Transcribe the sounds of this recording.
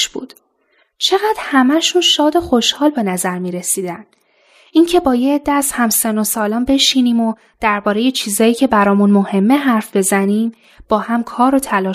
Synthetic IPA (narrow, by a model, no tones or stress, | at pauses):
ʃbṵːd̪̥ | t͡ʃʰe̞ɣæd̪̥hæmæʃunʃɒːd̪o̞xo̞ʃhɒːlbe̞næzæɾmiːɾe̞siːd̪æn | ʔiŋcʰe̞bɒːjeːd̪̥ːæzhæmseno̞sɒːlɒːnbe̞ʃiniːmo̞ | d̪̥æɾbɒːɾe̞je̞t͡ʃʰiːzɒːjiːcʰe̞bæɾɒːmunmohe̞mːe̞ɦæɾfbe̞zæniːm | b̥ɒːhæmkʰɒːɾo̞t̪ʰælɒː